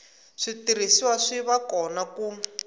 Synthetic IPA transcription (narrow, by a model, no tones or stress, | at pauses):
ʂitiɾ̤isiwaʂiβakɔnaku